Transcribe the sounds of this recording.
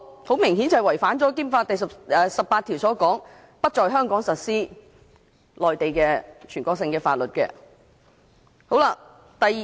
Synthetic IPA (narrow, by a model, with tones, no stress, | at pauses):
ho˨˥wmɪ˨˩ŋɦiː˨˥nt͡sɐ˨˩wɐ˨˩jfaː˨˥nt͡sɔː˨˥kiː˥mfaː˧t̚t̪ɐ˨jsɐ˨pɛː˨˧sɐ˨pːaː˧t̪ʰi˨˩wsɔː˨˥kɔː˨˥ŋ | pɐ˥t̚t͡ʃɔː˨˧jɦœː˥ŋkɔː˨˥ŋsɐ˨t̚siː˥ | lɔː˨˩jt̪e˨jkɛː˧t͡ʃʰyː˨˩nkʷɔː˧k̚sɪ˧ŋkɛː˧fa̰ː˧t̚lɵ˨t̚kɛ̰ː˧ | ho˨˥wlaː˧ | t̪ɐ˨j